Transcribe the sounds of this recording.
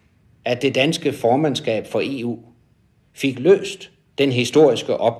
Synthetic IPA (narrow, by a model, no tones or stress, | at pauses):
ædd̥e̝d̥ænsɡ̥əfɒːmænsɡ̥ɛ̰ːb̥fɒ̽ʔe̝ṵː | fe̝ɡ̥lø̰ːsd̥ː | enɦisd̥o̝ɐ̰isɡ̥əʔɒ̽b̥̚